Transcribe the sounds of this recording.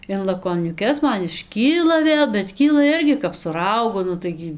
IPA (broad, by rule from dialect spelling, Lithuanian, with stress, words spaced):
ɪn lˠɐkoːnʲʊˈkʲɛs ˈmɐn ɪʃʲˈkʲiːlˠɐ ˈʋʲeːlˠ bʲɛt ˈkʲiːlˠɐ ˈɪrʲɡʲɪ kɐp sʊ ˈrɐʊɡʊ ˈnʊ tɐɪɡʲɪ